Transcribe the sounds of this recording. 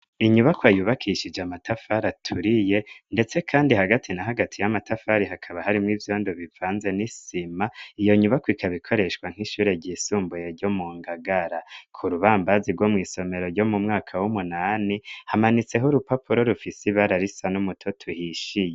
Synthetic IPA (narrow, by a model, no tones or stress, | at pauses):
iɲuβakwajuːβakʰiʃid͡ʒamatʰafaɾatʰuɾije̞nde̞t͡se̞kʰaːndihaɡatʰinaɦaɡatʰijamatafaɾiɦakʰaβaɦaɾimŋiːvjo̞ːndoβivaːnze̞nisimaijo̞ɲuβakwikʰaβikʰo̞ɾe̞ʃwaŋ̥hiʃuːɾe̞ɾɟiːsuːmbujeɾɟo̞muːŋɡaɡaɾakʰuɾuβaːmbaziɡwo̞mŋiːso̞me̞ɾo̞ɾɟo̞mumŋaːkʰawumunaːnihamanit͡se̞ɦuɾupapuɾo̞ɾufisiβaɾaɾisanumutʰotʰuhiʃije